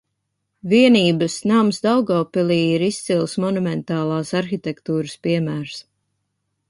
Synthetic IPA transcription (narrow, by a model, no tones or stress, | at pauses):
viɛniːbəsnamsd̪awɡɔːpilˠiːiɾist̪silˠsmɔnumɛnt̪aːlˠaːsaɾxit̪ɛkt̪uːɾɨspiɛmæːɾs